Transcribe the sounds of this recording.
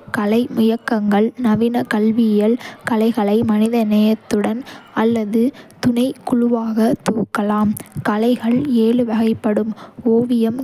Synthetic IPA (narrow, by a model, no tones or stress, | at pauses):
kɐlɐɪmʊjɐkːɐŋɡɐɭnɐʋɪnɐkɐlʋɪjɐlkɐlɐɪɣɐɭɐɪmɐnɪðɐnɛjɐt̪ːɯɽɐnɐlːɐðɯt̪ʊnɐɪkːʊɻʊʋaːɣɐt̪uːkːɐlaːmkɐlɐɪɣɐɭeːlɯʋɐɣɐɪpːɐɽɯmoːʋɪjɐm